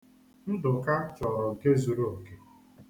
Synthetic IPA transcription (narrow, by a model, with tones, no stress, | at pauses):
n̩˦dʊ˨ka˦t͡ʃɔ˨ɾɔ˨ŋ̩˨ke˦zu˨ɾo˦o˨ke˦